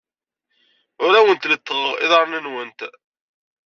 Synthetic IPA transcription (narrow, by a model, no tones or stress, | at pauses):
ʊɾæwənt̪lət̪ːʁəʁɪ̰ðˤɑɾˤnənwənt̪